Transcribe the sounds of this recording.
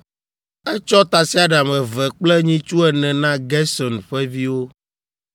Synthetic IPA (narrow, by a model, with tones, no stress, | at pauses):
ɛ˦t͡ʃɔ˦t̪a˨si˦a˨ɖa˨mɛ̃˨vɛ˨k͡plɛ˦ɲĩ˦t͡ʃu˦ɛ˨nɛ̃˨nã˦ɡɛ˦sɔ˨nɸɛ˦vi˦wo˦